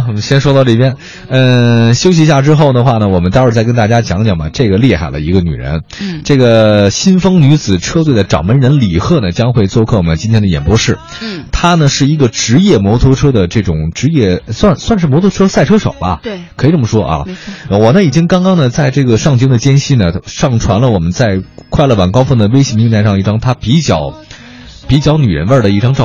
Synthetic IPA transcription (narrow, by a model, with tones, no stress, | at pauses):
ɕjɛ˥nʂwɔ˥t̪ɑ˥˧ʊʈ͡ʂɤ˥˩pjɛ˥n | ə˧ɕjo˥ʊɕ̬i˧˥ɕja˥˧˩ʈ͡ʂɻ̩˥xo˥˩ʊd̪ə˩xwa˥˩nə˩wɔ˨˩mə˦nt̪ɑ˥ʂɻ̩˥˧t͡sa˥˩kə˥nt̪a˥˩t͡ɕja˥t͡ɕjɑ˧˥ŋt͡ɕjɑ˨˩ŋbɐ̰˩ʈ͡ʂɤ˥˩ɡə˩li˥˧xa̰˨˩ɪlʔə̰˦i˧˥ɡə˧ny̰˨˩ɻə̰˧˥nʈ͡ʂɤ˥˩ɡə˩ɕi˥nfɤ˥ŋny˧˥t͡sɹ̩˨˩ʈ͡ʂʰɤ˥t̪̬we˥˩ɪd̪ə˩ʈ͡ʂɑ̰˨˩ŋmə˧˥nɻə˧˥nli˨˩xɤ˥˩nə˩t͡ɕjɑ˥ŋxwe˥˧ɪt͡swɔ˥˧kʰɤ˥˩ɔ˨˩ə˦t͡ɕi˥nt̪ʰɛ˥nd̪ə˧jɛ̰˨˩npwɔ˥ʂɻ̩˥˩ | t̪ʰa˥nə˨ʂɻ̩˥˩i˧˥ɡə˧ʈ͡ʂɻ̩˧˥jɛ˥˩mwɔ˧˥t̪ʰo˧˥ʈ͡ʂʰɤ˥d̪ə˨ʈ͡ʂɤ˥˩ʈ͡ʂʊ˨˩˦ŋʈ͡ʂɻ̩˧˥jɛ˥˩swa˥˧nswa˥˧nʂɻ̩˥˩mwɔ˧˥t̪ʰʈ͡ʂʰɤ˥sa˥˩ɪʈ͡ʂʰɤ˥ʂo̰˨˩ʊbɐ̰˦˧kʰɤ˧˥i˨˩ʈ͡ʂə˥˩mə˩ʂwɔ˥ʔɐ̰˧˩wɔ˨˩nə˦i˨˩t͡ɕi˥ŋkɑ˥ŋkɑ˥ŋnə˨t͡sa˥˧ɪʈ͡ʂɤ˥˩ɡə˩ʂɑ˥˧ŋt͡ɕi˥ŋd̪ə˨t͡ɕjɛ˥nɕi˥nə˨ʂɑ˥˩ŋʈ͡ʂʰwa˧˥nlə˧wɔ˨˩mə˦nt͡sa˥˧ɪkʰwa˥˧ɪlə˩wa˨˩nkɑ˥ʊfɤ˥˩ŋd̪ə˩we˥ɪɕɛ˧˩mi˧˥ŋt̪ʰa˥˧ɪʂɑ˥˧ŋi˥˩ʈ͡ʂɑ˥ŋt̪ʰa˥pi˧˥t͡ɕjɑ˨˩ʊ | pi˧˥t͡ɕjɑ˧˥ʊny˨˩ɻə̰˧˥nwə˞˥˩d̪ə˩i˥˩ʈ͡ʂɑ˥ŋʈ͡ʂɑ˥˧